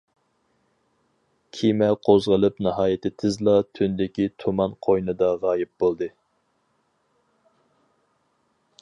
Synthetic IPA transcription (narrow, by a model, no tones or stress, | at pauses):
kʲʰimɛqʰozʁəlˠɨpnɨɦɑːjɪt̪ʰɪt̪ʰɪzlˠɑt̪ʰynd̪ɪkʲit̪ʰumɑnqʰojnɨd̪ɑʁɑːjɪp̚bolˠd̪ɨ